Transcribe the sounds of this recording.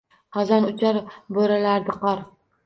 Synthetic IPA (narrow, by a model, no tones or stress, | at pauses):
χɒzanʊt͡ʃʰaɾboɾalaɾd̪ɪqɒɾ